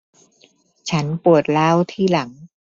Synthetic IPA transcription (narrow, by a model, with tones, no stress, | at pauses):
t͡ɕʰa˦˥npu˨˩ət̪̚laː˦˥wt̪ʰiː˥˩la˩˦ŋ